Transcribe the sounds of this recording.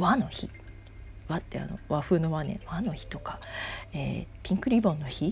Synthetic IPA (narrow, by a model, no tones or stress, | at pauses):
βano̞çḭ | βat̪ːe̞a̰no̞̰βaɸɯ̟noβanḛ̃βano̞çi̥t̪o̞kḁḛːpʲĩŋkɯ̟ɾʲibõnːoçi